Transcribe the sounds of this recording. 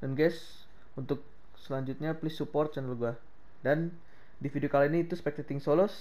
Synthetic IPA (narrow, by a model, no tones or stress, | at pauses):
danɡɛs | unt̪ʊk̚ | səlaɲd͡ʒut̪̚ɲaplɪsupɔrt̪̚t͡ʃanəlɡua | dan | difidiokalainiːt̪uspɛk̚t̪ɛt̪ɪŋsolɔs